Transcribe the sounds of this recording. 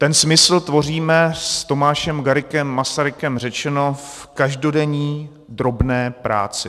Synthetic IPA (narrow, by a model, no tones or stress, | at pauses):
t̪ɛnsmɪsl̩t̪vo̞riːmɛst̪o̞maːʃɛmɡaɾɪkɛmːasaɾɪkɛmr̝ɛt͡ʃɛno̞f | kaʒdo̞dɛɲiː | d̪ɾo̞bnɛːpɾʔa̰ːt͡sɪ